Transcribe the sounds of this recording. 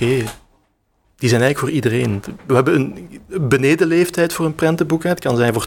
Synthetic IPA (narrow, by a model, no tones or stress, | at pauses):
eː | d̥izɛjnɛjɣləkfoːridəreːnʋəɦɛbəənənbəneːdəleːftɛjtfoːɾənprɛntəbukɛt̚kɑnzɛjnvoːr